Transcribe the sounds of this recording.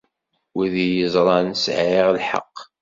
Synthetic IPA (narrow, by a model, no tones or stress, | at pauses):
wiðijəzˤɾˤɑnsʕiʁlħə̰qː